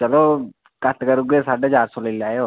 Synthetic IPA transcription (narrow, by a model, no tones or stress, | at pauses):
t͡ʃəloː | kət̪ʰkəɾuːɡeːsaːɖeːt͡ʃaːɾsoːlelaːeoː